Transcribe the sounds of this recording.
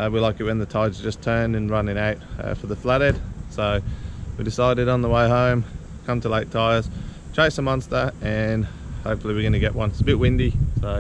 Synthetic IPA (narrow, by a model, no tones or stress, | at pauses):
wilaɪkɨt̚wɨ̃nðɨtʰaɪdzd͡ʒʌstʰɜ̃˞nɨ̃nɹʌnɪ̃ŋaʊt̚ʌ̰fə˞ðəflæɾɛd̥soʊwidɨsaɪɾɨɾn̩ðəweɪɦõʊ̃m | kʰʌ̃mtʰəleɪk̚tʰaɪəz̥ | tʰɹ̥eɪsəmʌ̃nstə˞ɨ̃nhoʊpfl̩ˠiwɨɡʌñɨɡɛʔwʌ̃nsəbɪt̚wɪ̃ndisoʊ